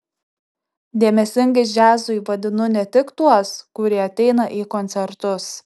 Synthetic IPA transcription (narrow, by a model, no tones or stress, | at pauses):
d̪ʲeɛmʲɛsʲɪŋʲɡɐsd͡ʒʲæːzʊɪʋɐd̪ʲɪnʊnʲɛt̪ʲɪkt̪uɔskʊɾʲiɛɐt̪ʲɛɪnɐʔiːkɔnʲt̪sʲɛɾt̪ʊs